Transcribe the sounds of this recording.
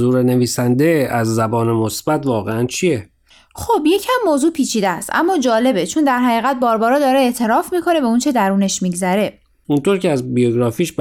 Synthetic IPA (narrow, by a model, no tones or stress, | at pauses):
zuːɾeneviːsænd̪eæzːæbɒːnemosbæt̪vɒːɣeænt͡ʃʰije | xobje̞cʰæmːoːzuːpʰiːt͡ʃʰiːd̪eæst̪ʔæ̰mːɒːd͡ʒɒːle̞be̞t͡ʃʰond̪æɾɦæɣiːɣæt̪̚bɒːɾbɒːɾɒːd̪ɒːɾeeʔt̪ʰe̞ɾɒːfmiːkʰo̞ne̞beunt͡ʃʰe̞d̪æɾuːne̞ʃmiɟzæɾe̞ | unt̪ʰoɾceæzbijoɡɾɒːfiːʃb